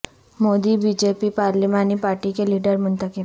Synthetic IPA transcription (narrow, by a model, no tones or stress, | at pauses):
mod̪iːbid͡ʑepipaɾlimaniːpaɾʈikeliɖəɾm̤əɳt̪ake